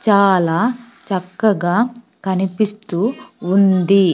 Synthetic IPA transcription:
t͡ʃaːlaːt͡ʃɐkːɐɡaː | kɐnipist̪uːnd̪i

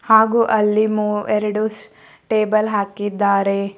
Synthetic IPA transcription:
haːɡuʔɐlːimuːɛɾɐɽus | ʈeːbɐlɦaːkid̪ːaːɾe

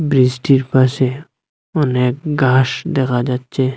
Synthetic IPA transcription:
bɾisʈiɾpase | ʊneːk̚ɡaːʃd̪ekʰad͡ʒaːtːt͡ʃe

